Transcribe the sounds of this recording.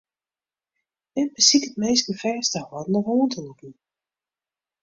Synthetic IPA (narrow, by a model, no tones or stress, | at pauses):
ɛnbəsikətmejsɡəfɛːstəhɔdnɔvoːntʰəlukn